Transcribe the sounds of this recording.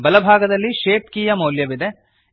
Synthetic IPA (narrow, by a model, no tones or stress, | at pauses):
bɐlɐbʱaːɡɐd̪ɐlːiʃeːpkiːjɐmɐwljɐʋid̪e̞